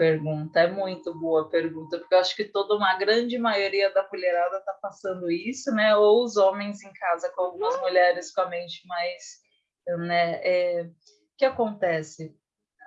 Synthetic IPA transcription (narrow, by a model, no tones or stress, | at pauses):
peɾɡũnt̪ɐɛmũj̃t̪ʊboɐpeɾɡũnt̪ɐpʊɾkewaʃʊ̥kɪt̪od̪ɐũmɐɡɾɐ̃d͡ʒɪmajoɾiɐd̪ɐkuʎeɾad̪ɐt̪apasɐ̃nd̪ʊisʊnɛowʊzõmẽj̃zẽj̃kʰazɐkõawɡũmɐzmuʎɛɾɪskõɐmẽj̃t͡ʃɪ̥majs | nɛɛ | kɪakõnt̪ɛsɪ